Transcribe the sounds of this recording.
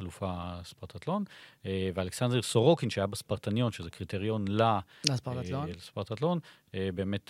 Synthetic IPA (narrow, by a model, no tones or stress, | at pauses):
alufaspaʁt̪at̪lo̞nevealeksandʁeʁsoʁokinʃeajabaspaʁt̪anjo̞nʃezekʁit̪eʁjo̞nlasalespaʁt̪atlo̞n | ebe̞ːmet